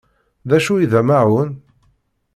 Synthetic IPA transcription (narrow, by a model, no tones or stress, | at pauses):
ðæʃuiðæmaʕʊn